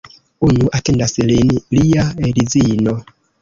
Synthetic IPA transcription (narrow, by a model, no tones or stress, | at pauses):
uɲuʔatendaslinliaeɾizino